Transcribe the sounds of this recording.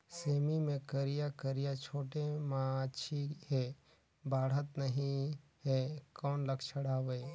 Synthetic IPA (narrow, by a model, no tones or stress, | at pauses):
seːmimẽkəɾijakəɾijat͡ʃʰoːʈemãːʃʰiɦɛ | baːɽət̪nəɦĩ | ɦɛkɔːnləkt͡ʃʰəɽ̤aːweː